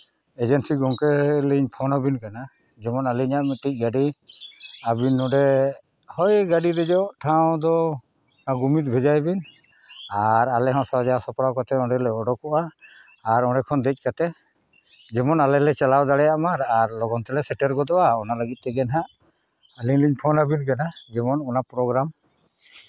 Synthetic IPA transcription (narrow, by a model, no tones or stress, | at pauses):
ɛd͡ʒɛnsiɡɔŋkɛliɲpʰɔnabinkana | d͡ʒɛmɔnaliɲaʔmit̪ic̚ˀɡaɖi | abinːɔɖɛ | hɔjɡaɖiɾɛd͡ʒɔʔʈʰaw̃d̪ɔ | aɡumit̪̚bʱɛd͡ʒajbin | aɾalɛɦɔ̃sad͡ʒasɔpɽawkat̪ɛɔ̃ɖɛlɛɔɖɔkɔʔaː | ɾɔɖɛkʰɔnd̪ɛc̚ˀkat̪ɛ | d͡ʒɛmɔnalɛlɛt͡ʃalawd̪aɽɛjaʔmaɾaɾlɔɡɔnt̪ɛlɛsɛʈɛɾkɔd̪ɔʔaɔnaləɡit̪̚t̪ɛɡɛnɦaʔ | əliɲliɲpʰɔnabinkanad͡ʒɛmɔnɔnapɾɔɡɾam